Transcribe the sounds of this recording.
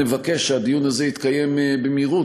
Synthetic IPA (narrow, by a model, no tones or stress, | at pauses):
evakeʃʃead̪ijunazeit̪kaje̞mbemiʁu